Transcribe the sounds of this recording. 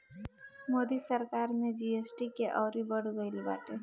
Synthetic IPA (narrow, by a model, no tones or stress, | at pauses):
mod̪isəɾkaɾmed͡ʒiesʈikeʔɔːɾibəɽɡəɪlbaːʈe